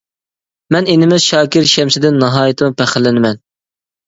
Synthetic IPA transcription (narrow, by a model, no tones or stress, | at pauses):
mɛnenɪmɪzʃɑːkʲɪɾʃɛmsɪd̪ɪnːɑɦɑːjit̪ʰɪmɨpʰɛχɪlːɪnɪmɛn